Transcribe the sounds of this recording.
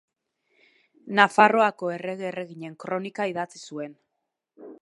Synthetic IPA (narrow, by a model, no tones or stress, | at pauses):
nafaro̞ako̞e̞re̞ɣeːre̞ɣiɲe̞ŋkɾo̞nikaiðat͡sisue̞n